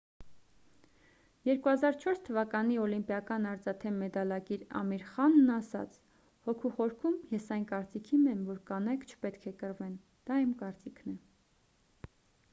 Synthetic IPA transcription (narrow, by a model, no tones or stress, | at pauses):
jɛɾkuhɑzɑɾt͡ʃʰɔɾst̪ʰəvɑkɑniɔlimpjɑkɑnɑɾt͡sɑt̪ʰɛmːɛd̪ɑlɑkiɾɑ̰miɾχɑnːɑsɑ̰t͡sʰ | hɔkʰuχɔɾkʰumjɛsɑjnkɑɾt͡sikʰimɛmvɔɾkɑnɛjkt͡ʃʰə̥pɛt̪kʰɛkəɾvɛn | d̪̥ɑimkɑɾt͡sikʰnɛ